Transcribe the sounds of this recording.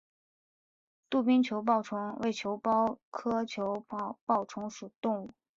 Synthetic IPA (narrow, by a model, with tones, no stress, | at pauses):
t̪u˥˩pi˥ŋt͡ɕʰjo˧˥ʊp̬ɑ˥˩ʊʈ͡ʂʰʊ˧˥ŋwe˥˩ɪt͡ɕʰjo˧˥ʊpɑ˥ʊkʰɤ˥t͡ɕʰjo˧˥ʊ˥˧pɑ˥˩ʊʈ͡ʂʰʊ˧˥ŋʂu˨˩t̪ʊ˥˧ŋu˥˩